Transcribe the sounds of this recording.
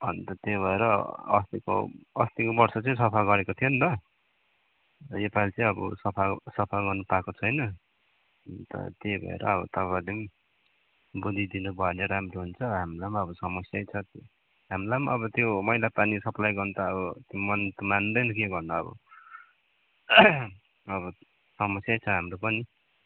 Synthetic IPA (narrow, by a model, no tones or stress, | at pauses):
bʱʌnt̪ʌt̪ebʱʌeɾʌʌ̰st̪iko̰ʌst̪ikobʌrsʌt͡sʌ̃sʌpʰaɡʌɾekot̪ʰijont̪ʌ | epalt͡sʌĩʌbʌ̰sʌpʰasʌpʰaɡʌrnupakot͡sʰʌjnʌ | ʌnt̪ʌ̰t̪ebʱʌ̰ḛɾʌ̰ːbʌt̪ʌad̪im | bud̪ʱid̪inubʌneɾamroɦunt͡sʰʌɦamlamʌbʌsʌmʌsjajt͡sʰʌt̪ | ɦamlamʌbʌt̪jomʌjlapanisʌplajɡʌrnut̪ʌːbʌt̪jomʌnt̪umand̪ʌjnʌkeɡʌrnʌʌ̰bʌ̰ | ʌβʌ | sʌmʌsjajt͡sʰʌɦamɾopʌni